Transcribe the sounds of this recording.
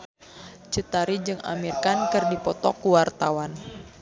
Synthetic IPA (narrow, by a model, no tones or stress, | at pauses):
t͡ʃɨt̪aɾid͡ʒɨŋa̰mirkankɨrdipɔt̪ɔkuwart̪awan